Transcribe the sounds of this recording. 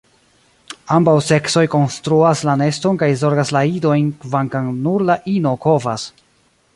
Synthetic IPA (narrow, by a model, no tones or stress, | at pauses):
ambawse̞kso̞jko̞nstɾuaslane̞sto̞nkajzo̞ɾɡaslaido̞jnkvaŋkaŋnuɾlaʔino̞ko̞va̰s